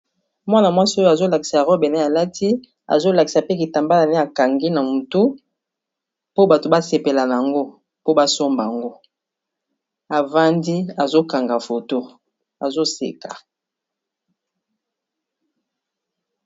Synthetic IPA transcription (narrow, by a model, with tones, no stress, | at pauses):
mwa˦na˨mwa˦si˦o˦jo˦a˨zo˦la˨ki˨sa˨ʁɔ˦bɛ˨ne˦a˨la˦tʰi˦ | a̰˨zo˦la˨ki˨sa˨pe˦ki˨ta˨mba˦la˨ne˦a˨ka˨ŋɡi˦na˨mu˨tu˦ | po˦ba˨to˨ba˦se˨pe˨la˨na˨a˨ŋɡo˦ | po˦ba˦so˦mba˨a˨ŋɡo˦ | a˨va˦ndi˦a˨zo˦ka˨ŋɡa˨fo˨to˦ | a˨zo˦sḛ˨ka˨